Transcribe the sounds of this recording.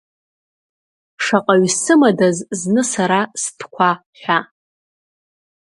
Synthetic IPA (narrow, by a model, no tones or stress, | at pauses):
ʂaqʼaɥsɨmadazznɨsaɾastʰkʷʰaħʷᶣa